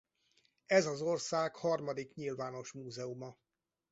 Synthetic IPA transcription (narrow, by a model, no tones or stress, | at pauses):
ɛzɒzo̞rsaːkhɒrmɒd̪ikɲilvaːno̞ʃmuːzɛumɒ